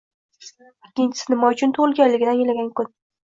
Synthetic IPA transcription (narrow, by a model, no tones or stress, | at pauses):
ɪkʲːɪnt͡ʃʰɪ̥sɪnɪmɒʊt͡ʃʰʊnt̪ʰʊʁɪlɡʲanlːɪɡʲɪd̪anjelaɡʲankʊn